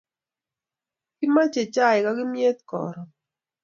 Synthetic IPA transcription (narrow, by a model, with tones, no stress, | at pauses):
kɪ˦ma˦t͡ʃe˨t͡ʃa˦ɪ˨ka˦ɡɪ˦mje˦t̪kɔ̰˨ɾɔ˨